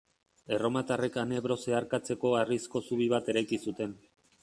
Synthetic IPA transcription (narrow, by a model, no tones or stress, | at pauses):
e̞ro̞mat̪are̞kane̞β̞ɾo̞se̞aɾkat͡se̞ko̞arisko̞suβ̞iβat̪e̞ɾajkisut̪e̞n